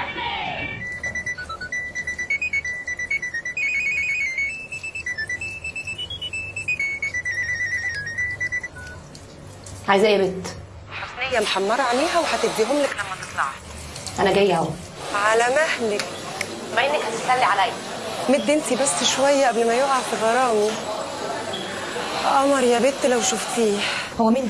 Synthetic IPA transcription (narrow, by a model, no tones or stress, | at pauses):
ʕaːjezæʔebet̪ | ħasnejːæmħɑmːɑɾˤɑʕaleːɦæwehæt̪eb̚d̪iɦomlæklæmːæt̪e̥t̪ˤlɑ̰ʕh̪ʔænæɡæjːʕæw | ʕalæmæhlek | mæʔenːekhæt̪et̪sælːiʕalæj | med̪ːʔent̪ibæsːʃwæjːæʔæblmæjoʔʕadfiɣɑɾˤɑːʔo | ʔɑːmɑɾjæbet̪ːlæwʃuft̪iːh | howːæmiːn